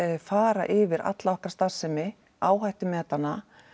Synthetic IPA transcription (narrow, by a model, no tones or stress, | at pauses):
faːɾa̰ʔɪvɪɾa̰t̪laɔhkaɾst̪ḁsːɛmɪ | aːwɦajht̪ɪmɛːt̪anːa